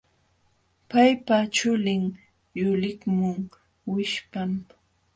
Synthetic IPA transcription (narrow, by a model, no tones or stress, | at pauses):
pajpat͡ʃʊlɪŋ | jʊlɪkmʊŋ | wɪʃpam